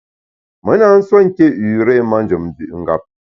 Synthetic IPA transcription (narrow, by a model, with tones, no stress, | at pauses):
mə˨˦na˨˦n̩˦sɔ˦ŋ̩˦ke˦ʉ˨ɾe˦˨ma˦n̩˦d͡ʒə˨m˨bi˦˨ʔŋ̩˦ɡa̰˨p̚